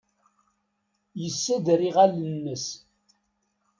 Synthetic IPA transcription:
jəsːæd̪ɾiʁælənːəs

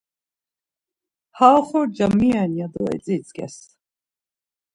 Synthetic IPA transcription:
haːlχɔɾd͡ʒamianiad̪ɔɛ̰t͡sʼit͡sʼɡɛ̰s

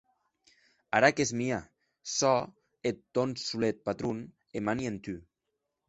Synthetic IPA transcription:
aɾakezmia | sɔ | et̪ːonsulet̪̚pat̪ɾun | emanient̪y

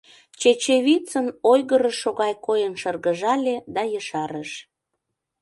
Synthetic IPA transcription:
t͡ɕet͡ɕeβit͡sənojɣəɾəʃːoɣɑjkojənʃərɣəʒɑlʲed̪ɑjəʃɑɾəʃ

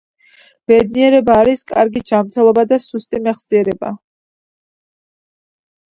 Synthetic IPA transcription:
b̥ɛd̪niɛɾɛbaːɾiskʼaɾɡid͡ʒamɾt̪ʰɛlˠɔbad̪asust̪ʼimɛχziɛɾɛba̰

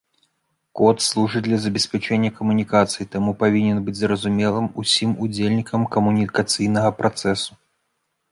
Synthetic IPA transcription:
kɔt̪slˠuʐɨd̪lʲɐzɐbʲɛsʲpʲat͡ʂɛnʲːɐkɐmunʲikat̪sɨjit̪amupavʲinʲɛnbɨd͡zʲzɾɐzumʲɛlˠɨmusʲimud͡zʲelʲnʲikɐmkɐmunʲikɐt̪sɨjnɐɣɐpɾat̪sɛsu̥

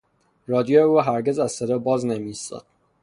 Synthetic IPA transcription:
ɾɒːd̪ijojeuɦæɾɟe̞zæzsed̪ɒːbɒːznemist̪ɒ̰ːd̪̥̚

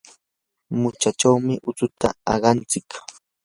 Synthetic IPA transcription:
mʊt͡ʃat͡ʃawmɪʔʊt͡sʊt̪a̰ɑ̰ɢɑnt͡sɪk

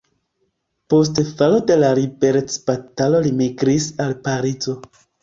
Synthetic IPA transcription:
po̞s̬tfalo̞de̞laɾibeɾet͡sb̥atalo̞limiɡɾisalpaɾid͡zo̞

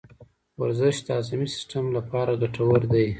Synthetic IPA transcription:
waɾzɪʃd̪əazamisɪ̥sʈamlapɑɾaɡaʈawaɾd̪aj

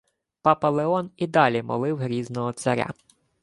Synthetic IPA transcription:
pɑpɐlˠeɔnid̪ɑlʲimɔ̰lˠɪwɦɾʲiznɔɦɔt̪sɐɾʲa̰

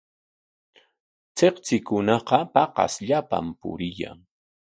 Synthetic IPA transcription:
t͡seqt͡sɪkʊnɑqɑpɑqɑ̰sʎapa̰mpʊ̰ɾɪja̰ŋ

